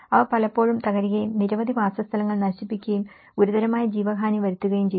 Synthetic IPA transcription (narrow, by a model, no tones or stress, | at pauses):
ɐʋɐpɐlɐpːo̞ːɻumt̪ɐɣɐɾiɣɐjumniɾɐʋɐd̪ʱibaːsɐst̪ʰɐlɐŋːɐɭnɐɕipːikʲːɐjum | uɾuðɐɾɐmaːjɐd͡ʑiːʋɐɡʱaːniʋɐɾut̪ːuɣɐjumt͡ɕej